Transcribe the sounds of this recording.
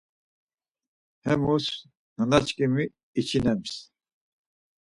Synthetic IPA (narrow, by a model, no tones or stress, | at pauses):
hɛmus | nənat͡ʃʰkʼimiː | t͡ʃʰinɛms